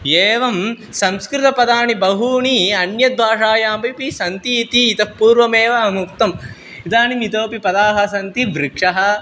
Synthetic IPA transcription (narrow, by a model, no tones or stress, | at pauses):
eːʋɐm | sɐmskɾɪt̪ɐpɐd̪aːɳibɐɦuːɳiɐnjɐd̪̚bʱaːʂaːjaːmbɐpisɐnt̪iːt̪iːt̪ɐpuːɾʋɐmeːʋɐɐmuk̚t̪ɐm | it̪aːnimit̪oːpipɐd̪aːɦɐsɐnt̪iʋɾɪkʂɐɦɐ̆